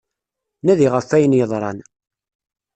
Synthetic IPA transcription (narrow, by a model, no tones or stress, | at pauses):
næðiʁəfːæjənjəðˤɾˤɑn